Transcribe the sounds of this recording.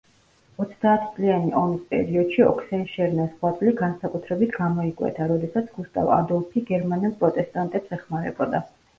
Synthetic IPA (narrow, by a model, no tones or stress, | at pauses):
ɔt̪sʰd̪aːt̪ʰit̪sʼlianiʔɔmispʼɛ̰ɾiɔd̪̥ʃiɔ̰kʰsɛnʃɛɾnasχwat̪sʼliɡansakʼut̪ʰɾɛbit̪ʰɡamɔikʼwɛ̰t̪ʰaɾɔd̪ɛsat̪sʰɡust̪ʼa̰va̰d̪ɔlˠpʰiɡɛɾmanɛlˠpʼɾɔt̪ʼɛst̪ʼant̪ʼɛpsɛχmaɾɛ̰bɔd̪a